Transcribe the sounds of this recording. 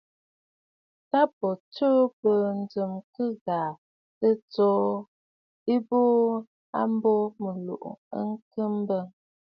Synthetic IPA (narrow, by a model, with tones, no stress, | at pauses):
ta˦pɔ˨t͡ʃu˦pə˨n̩˨d͡zɨ˨mkɨ˦ɡa˨ | tə˦t͡sɔː˦ | i˦boː˦ | a̰˦m˦bɔ˦mə˨lṵ˨ʔə̰˦ŋ˦kɨ˦m˦bə˦